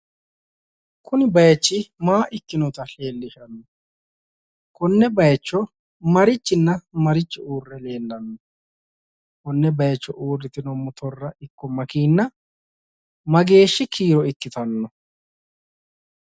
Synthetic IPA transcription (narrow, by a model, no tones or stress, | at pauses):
kʊnɪbɐjt͡ʃːɪmaːʔɪkːɪnɔt̪ɐɬe̞ːlːɪʃɐnːɔ | kʊnːɛbɐjt͡ʃːɔ | mɐɾɪt͡ʃːɪnːɐmɐɾɪt͡ʃːɪuːrːɛle̞ːlːɐnːɔ | kʊnːɛbɐjt͡ʃːɔ̰ʔuːrːɪt̪ɪnɔmːʊt̪ɔrːɐɪkːɔmɐkiːnːɐ | mɐɡe̞ːʃːɪkʰiːɾɔɪkːɪt̪ɐnːɔ